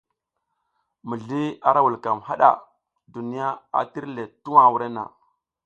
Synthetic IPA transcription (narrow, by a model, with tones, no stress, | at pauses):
mi˨ɮi˦a˦ɾa˦wu˨lka˨mha˦ɗa̰˨ | du˨ni˦ja˦a̰˨ti˦ɾle˨tu˦wa˨wu˨ɾe˦na̰˨